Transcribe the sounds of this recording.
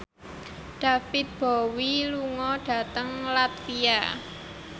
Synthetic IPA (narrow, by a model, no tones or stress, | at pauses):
ɖ̥a̤fɪt̪̚b̥ɔwiluŋɔɖ̥ä̤t̪əŋlat̪fia